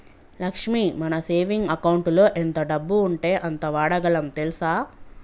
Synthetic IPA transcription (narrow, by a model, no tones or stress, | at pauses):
lɐkʂmimɐnɐse̞ːʋiŋɡɐkɐwuɳʈlo̞ːʔent̪ɐɖɐbːuːɳʈe̞ːʔɐnt̪ɐʋaːɽɐɡɐlɐmt̪elusaː